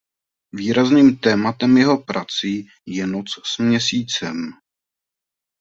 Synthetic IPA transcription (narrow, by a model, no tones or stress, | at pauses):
viːɾazniːmt̪ɛːmat̪ɛmjɛɦo̞pɾʔat͡si | jɛnot͡ssmɲɛsiːt͡sɛm